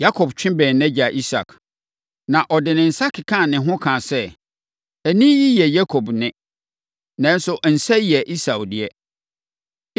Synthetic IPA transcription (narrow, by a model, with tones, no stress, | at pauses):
ja˦kʰɔ˨bt͡ɕᶣɪ̃˦bɛ̃ː˨nnɛ̃˦d͡ʑa˨ʔi˦sa̰˨k | nã˨ʔɔ˨dɪ˨nɪ̃˨n̩˨sa˦kʰɪ˨kʰã˦˨nɪ̃˨ɦʊ̃˦kʰã˨sɛ˦ | æ˨nĩ˦ji˦jɛ˨ja˦kʰo˨bnɪ̃˦ | nã˦n˦sʊ˦ʔn̩˨sɛ˦˨jɛ˨ʔi˦sa˨wdɪ˨ɛ˦